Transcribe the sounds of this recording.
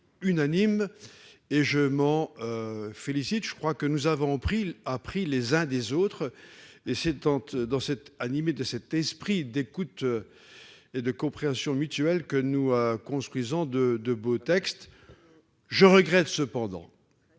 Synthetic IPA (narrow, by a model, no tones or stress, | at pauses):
ynanim | eʒəmɑ̃øfelisit̪ʒ̥əkχwakənuzavɔ̃pχiapχilezɛ̃d̪ezot̪χesɛd̪ɑ̃t̪d̪ɑ̃sɛt̪animed̪əsɛt̪ɛspχid̪ekut̪ø | ed̪əkɔ̃pχeɑ̃sjɔ̃myt̪yɛlkənukɔ̃st̪χwizɔ̃d̪əd̪əbot̪ɛkst̪ | ʒəʁəɡʁɛt̪səpɑ̃d̪ɑ̰̃